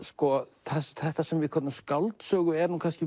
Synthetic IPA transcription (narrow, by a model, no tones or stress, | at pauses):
skɔθasθɛht̪asɛmvɪðkʰɔt̪ːaskawlt̪sœːɣʏɛɾnuːkʰanscɪ